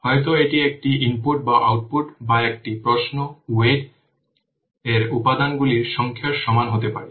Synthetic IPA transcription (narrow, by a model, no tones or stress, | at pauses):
hɔet̪̬oeʈiek̚ʈiimpuʈ̚baʔawʈ̚puʈbaek̚ʈipɾosnoueɾ | eɾupad̪anɡuliɾʃɔŋkʰiaɾʃɔmanɦot̪epa̰ɾe